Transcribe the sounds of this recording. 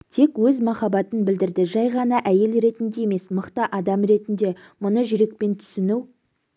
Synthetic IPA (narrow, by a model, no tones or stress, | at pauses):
t̪ʰe̞kwɵzmɑχɑbɑt̪ənbɪld̪ɪɾd̪ɪʒɑjʁɑnɑʔæje̞lɾe̞t̪ɪnd̪e̞jeme̞sməqt̪ɑʔɑd̪ɑmɾe̞t̪ɪnd̪e̞ | mʊnəʒʏɾe̞k̚pe̞nt̪ʰʏ̥sɪnuw